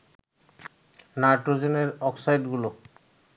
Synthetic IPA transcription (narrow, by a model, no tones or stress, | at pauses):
naʈozeneɾɔksajɖɡulo